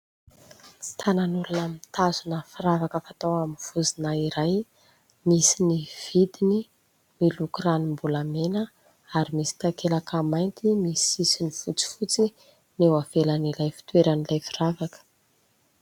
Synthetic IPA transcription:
t͡si̥t̪ʰananulunamit̪azunəfiɾavakəfat̪awaminv̥uzinaiɾaj | misiniv̥id̪ini | milukuranimbulamenə | aɾimisi̥t̪akelakamajnt̪imisisinifut͡si̥fut͡si | newavelanilajfi̥t̪weɾanilajfiravakə̥

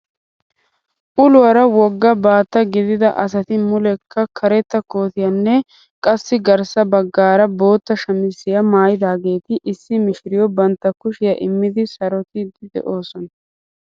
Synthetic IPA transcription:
ʔʊlʊwɐɾɐwɔɡːɐbaːt̪ːɐɡɪd̪ɪd̪ɐʔɐsɐt̪ɪmʊlɛkʰːɐkʰɐɾɛt̪ːɐko̞ːt̪ɪjɐnːɛ | kʼɐsːɪɡɐɾsɐbɐɡːaːɾɐbo̞ːt̪ːɐʃɐmɪsːɪjɐmaːjɪd̪aːɡe̞ːt̪ɪʔɪsːɪmɪʃɪɾɪjɔbɐnt̪ːɐkʊʃɪjɐʔɪmːɪd̪ɪsɐɾɔt̪ɪd̪ɪd̪ɛ̰ʔo̞ːsɔnɐ

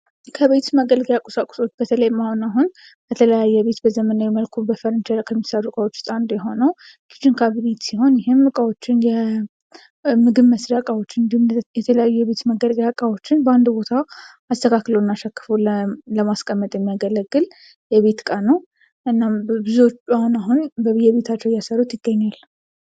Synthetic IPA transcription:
kʰəβe̞t̪məɡəlɡjakʼʊsakʷʼʊ̥so̞t͡ʃːbət̪ʰələjmahonaɦun | bət̪ʰələjajːɛβe̞t̪bəzəmənawɛməlkʰubəfəɾɨnt͡ʃɪɾəkʰəmːisaɾukʼawot͡ʃːt̪ʼand̪ojɛɦo̞nəw | kʰi̥t͡ʃːɪnkʰaβinet̪siho̞njɪɦɪmːukʼawo̞t͡ʃːɪnjɛ | mɨɡɨβmːəsd̪akʼawot͡ʃːɪnɨnd̪ihumjɛt̪ʰələjajːujɛβe̞t̪məɡəɾkjakʼawot͡ʃːɪnbəand̪bo̞t̪ʰa | ast̪ʰəkʰakləwnːaʃakːɨ̥foləmaskʼəmːət̪ʼjɛmːijaɡələɡːɨl | jɛβe̞t̪kʼanəw | ʔɨnːambɨzuot͡ʃːahunaɦunbəβjɛβe̞t̪ʰat͡ʃːɛwjasəɾut̪jɪɡːəɲːalː

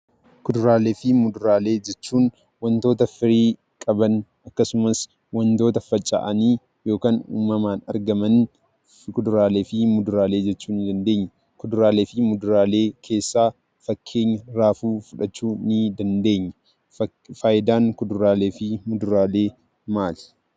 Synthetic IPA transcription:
kʊd̪ʊɾaːleːfɪmʊd̪ʊɾaːle̞ːd͡ʒɛt͡ʃːuːn | wɐnt̪o̞ːt̪ɐfɪɾiː | kʼɐbɐn | ɐkːɐsʊmɐs | wɐnt̪o̞ːt̪ɐfɐt͡ʃʼːa̰ʔɐniː | jo̞ːkaːnṵːmːɐmaːnɐ̰ɾɡɐmɐn | kʊd̪ʊɾaːle̞ːfimʊd̪ʊɾaːle̞ːd͡ʒɛt͡ʃːuːnɪd̪ɐnd̪e̞ːɲːɐ | kʊd̪ʊɾaːleːfɪmʊd̪ʊɾaːle̞ːkʰe̞ːsːaː | fɐkʰːe̞ːɲːɐɾaːfuːfʊᶑɐt͡ʃːuːnɪd̪ɐnd̪e̞ːɲːɐ̥ | faːjɪd̪aːŋkʊd̪ʊɾaːle̞ːfɪmʊd̪ʊɾaːle̞ː | maːl

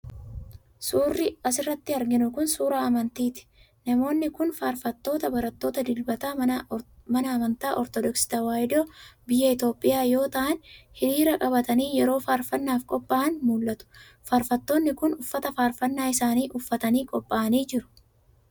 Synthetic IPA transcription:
suːrːɪɐs̬ɪrːɐt̪ːɪɐɾɡɪnʊkʊnsuːɾaːɐmɐnt̪iːt̪ɪ̥ | nɐmo̞ːnːɪkʊnfaːɾfɐt̪ːo̞ːt̪ɐbɐɾɐt̪ːo̞ːt̪ɐd̪ɪlbɐt̪aː | mɐnɐɐmɐnt̪aːʔɔɾt̪ɔd̪ɔksɪ̥t̪ɐwaːjd̪oːbɪjːɐɪt̪o̞ːpʼːɪjaːjo̞ːt̪ɐʔɐnhɪɾiːɾɐkʼɐbɐt̪ɐniːjɛɾo̞ːfaːɾfɐnːaːfkʼɔpʼːaːɐnmuːlːɐt̪ʊ̥ | faːɾfɐt̪ːo̞ːnːɪkʊnʊfːɐt̪ɐfaːɾfɐnːaːɪsaːniːʔʊfːɐt̪ɐniːkʼɔpʼːaːɐniːd͡ʒɪɾʊ̥

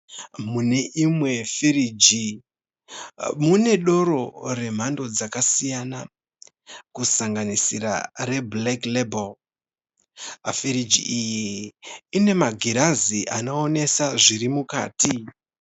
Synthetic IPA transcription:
mune̞ʔimwe̞fiɾid͡ʒi | mune̞ɗo̞ɾo̞re̞m̤ando̞d͡zakasijana | kusaŋɡanisiɾa̰re̞bleklebol | fiɾid͡ʒḭʔijiː | ne̞maɡʱiɾaziʔa̰no̞ːne̞saʐiɾimuka̰ːti

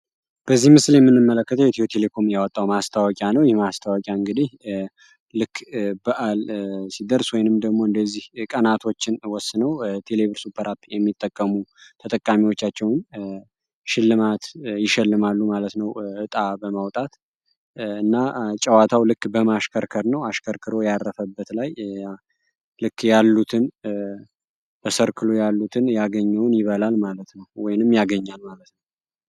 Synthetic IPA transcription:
b̥əzːihmɨsljɛmːɨnːɨmːələkːət̪ʰəwjɛt̪iot̪ʰe̞le̞kʰo̞mjawɔt̪ʼːawmast̪ʰawɔkʼjanəwjɪhmast̪ʰawɔkʼjaɨŋɡɨd̪ih | lɨkːbəʔalsid̪əɾswɔjnɨmd̪əɡmo̞ɨnd̪əzːihkʼənat̪ʰo̞t͡ʃːɪnwɔsːɨnəwt̪ʰe̞le̞βɨɾsupʰːəɾapjɛmːit̪ʼːəkʼːəmut̪ʰət̪ʼəkʼːamiwot͡ʃːat͡ʃːɛwn | ʃɪlːɨmat̪jɪʃɛlːɨmalːumalət̪nəwʔɨt̪ʼabəmawt̪ʼat̪ | ɨnːat͡ʃʼəwat̪ʰawlɨkːbəmaʃkʰəɾkʰəɾnəwaʃkʰəɾkʰɨɾo̞jarːəfəbːət̪laj | lɨkːjalːut̪ʰɨn | b̪ʰəsəɾkʰɨlojalːut̪ʰɨnjaɡəɲːɛwnjɪβəlalmalət̪nəwwɔjnɨmjaɡəɲːalmalət̪nəw

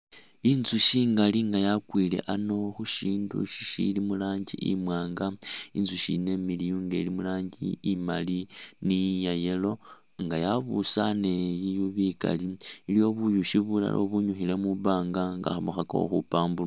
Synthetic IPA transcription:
inzuʃiːŋɡaliŋɡajakwile̞̰ʔano̞xuʃiːndṵʃi̥ʃḭlimulaːɲɟḭʔḭmwaːŋɡainzuʃine̞milijuːŋɡeilimulaːɲɟḭːmalinijajelo̞ | ŋɡajaβusane̞jijuβika̰liilijo̞βujuʃiβula̰lʔo̰βuɲuxile̞muβaːŋɡaŋɡa̰xaβuxaka̰o̰xupaːmbul

